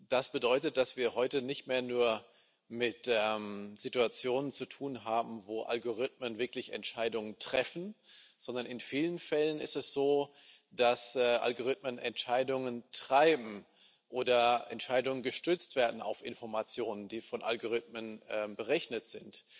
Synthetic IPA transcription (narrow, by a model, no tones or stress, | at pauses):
d̥asb̥ədɔʏtət̚d̥asv̥iːɐhɔʏtənɪçtmeːɐnuːɐ | mɪtɛmz̥ituat͡sjoːnənt͡sutʰuːnɦaːbm̩voːʔa̰lɡoʁ̞ɪt̚mənvɪɐklɪçɛ̰ntʃaɪdʊŋəntʁ̥ɛfn̩z̥ɔndɐnɪnfiːlənfɛlənɪ̰stɛsz̥oː | d̥asɛʔa̰lɡoʁ̞ɪtmənʔɛ̰ntʃaɪdʊŋəntʁ̥aɪbm̩ | ʔoːdɐʔɛ̰ntʃaɪdʊŋənɡəʃtʏt͡stv̥eːɐdn̩a̰ʊfʔɪnfɔɐmat͡sjoːnəndiːfɔnʔa̰lɡoʁ̞ɪt̚mənʔɛːmbəʁɛçnətz̥ɪnt